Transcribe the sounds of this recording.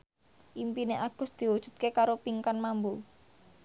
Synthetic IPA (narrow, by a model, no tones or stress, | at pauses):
ʔimpineʔaɡ̥ʊ̤s̚d̪̥i̤wud̥ʒ̥ṳt̪̚kekaɾopiŋkanmambu